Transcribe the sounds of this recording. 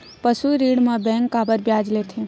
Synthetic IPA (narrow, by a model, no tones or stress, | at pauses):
pəsuɾiːɽmãbɛ̃ŋkːaːbəɾbjaːd͡ʒlet̪ʰe